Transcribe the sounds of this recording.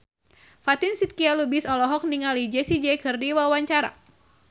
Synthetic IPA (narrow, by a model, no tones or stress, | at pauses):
fat̪insit̪̚kialubisɔlɔɦɔk̚niŋalid͡ʒɛsid͡ʒɛkɨrdiwawaɲt͡ʃaɾa̰